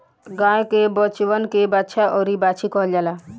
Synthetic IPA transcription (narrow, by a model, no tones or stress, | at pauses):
ɡãːẽkebɔt͡ʃʋənkebatːʃʰaʔɔːɾibaːt͡ʃʰikɔɦld͡ʒala